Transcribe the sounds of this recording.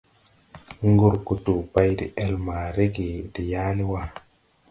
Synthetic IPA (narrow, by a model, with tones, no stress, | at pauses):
ŋ˦ɡu˦˨ɾku˨tu˨ba˦jdi˨ʔɛ˦˨lma˨ɾe˦ɡe˨di˨ja˦li˦wa˦˨